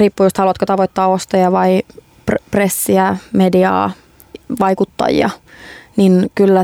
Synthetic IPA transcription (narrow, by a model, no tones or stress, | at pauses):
riːpːujost̪hɑluɑt̪kot̪ɑʋoit̪ːɑːost̪ɑjɑʋɑi | ppresːiæmediɑ̰ː | ʋɑikut̪ːɑ̰jjɑ̰ninkylːæ